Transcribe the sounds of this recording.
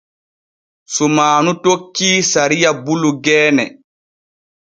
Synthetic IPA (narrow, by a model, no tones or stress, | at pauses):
sumaːnutokːiːsaɾijabuluɡɛːnɛ